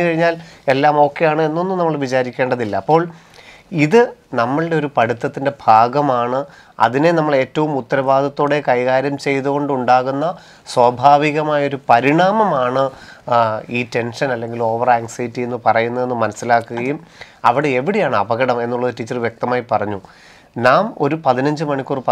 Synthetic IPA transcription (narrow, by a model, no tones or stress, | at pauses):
ɨkɐɻiɲːaːle̞lːaːmo̞ːkːejaːɳɨe̞nːo̞nːɨnɐmːɐɭʋit͡ɕaːɾikʲːe̞ːɳɖɐðilːɐːpːo̞ːɭ | iðɨnɐmːɐɭɨɖe̞o̞ɾupɐɽut̪ːɐt̪ːinde̞bʱaːɡɐmaːɳɨ | ɐ̰ðine̞nɐmːɐɭe̞ːtːɐʋumut̪ːɐɾɐbaːd̪ʱɐt̪ːoːɽe̞kɐjɣaːɾjɐmt͡ɕe̞jt̪uɣo̞ɳɖuɳɖaːɣunːɐ | swɐbʱaːʋiɣɐmaːjɐo̞ɾupɐɾiɳaːmɐmaːɳɨ | iːte̞nʂɐnɐlːe̞ŋɡilo̞ːʋɐraːŋsɐjtːienːɨpɐrɐjunːɐðe̞nːɨmɐnɐsːilaːkːuɣɐjum | ɐ̰ʋiɽe̞eʋiɽijaːɳɨɐbɐɣɐɽɐme̞nːuɭːɐðɨtit͡ɕːɐrʋje̞k̚t̪ɐmaːjipɐrɐɲːu | naːmo̞̰ɾupɐðinɐɲd͡ʑɨmɐɳikʲːuːrpɐ